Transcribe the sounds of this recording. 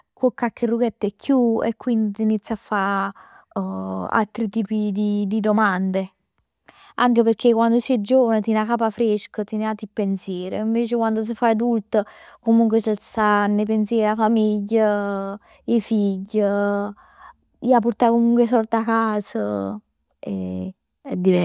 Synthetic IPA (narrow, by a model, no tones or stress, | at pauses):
kokːakːerːuɡɛt̪ːɛkʰːjuḛkːwind̪it̪init̪sːjafːa | a̰lt̪ɾit̪iːpid̪id̪id̪omand̪e | aŋkeperk̟ekwand̪osiɛd͡ʒoːvanət̪inakapafɾeʃkət̪ineat̪ːipːensjɛːɾḛiɱveːt͡ʃekwand̪os̬əfaad̪ult̪əkomuŋkwesəsanːep̬ensjɛːɾeafamiʎːə | ifiɟːə | iapːoɾt̪akomuŋkwesɔrt̪akːaːsə | ḛ | ɛd̪ːivɛ